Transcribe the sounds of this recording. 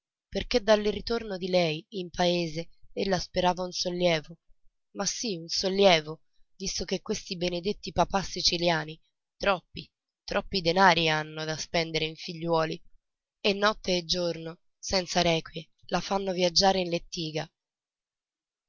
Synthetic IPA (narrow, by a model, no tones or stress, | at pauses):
perked̪alːrit̪ornod̪ilɛjimpaeːzeelːaspeɾaːvaunsolːjɛːvo | masːiunsolːjɛːvo | vist̪okekːwest̪ibened̪et̪ːipapasːit͡ʃiljaːni | t̪ɾɔpːi | t̪ɾʔɔpːid̪enaːɾianːod̪aspɛnd̪eɾeiɱfiʎːwɔːli | enːɔt̪ːeːd͡ʒːorno | sɛnt̪saɾɛːkwje | lafanːovjad͡ʒːaːɾeinlet̪ːiːɡa